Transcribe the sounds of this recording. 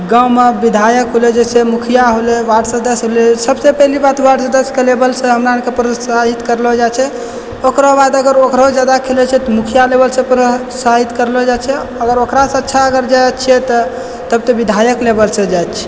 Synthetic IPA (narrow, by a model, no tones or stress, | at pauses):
ɡawmebid̪ʱajəkɦoled͡ʒesemukʰijaɦolewaɖsə̃d̪əsɦolesəbsepɛɦlibat̪waɖsə̃d̪əskelebəlsẽɦəmɾankepɾosaɦit̪kəɾlɔd͡ʒat͡ʃʰɛ | okɾɔbad̪əɡəɾokɾad͡ʒad̪akʰelɛt͡ʃʰɛt̪ɔmukʰijalebəlsẽpɾo | saɦit̪kəɾlɔd͡ʒat͡ʃʰɛ | əɡəɾokɾasẽətːʃʰaəɡəɾd͡ʒajtt͡ʃʰiɛt̪ɔ | t̪əb̚t̪əbid̪ʱajəklebəlsẽd͡ʒajt̪t͡ʃʰɛ̥